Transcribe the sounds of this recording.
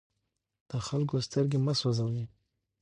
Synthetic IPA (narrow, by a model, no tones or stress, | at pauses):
d̪̥əxalkost̪əɾɡemaswazawni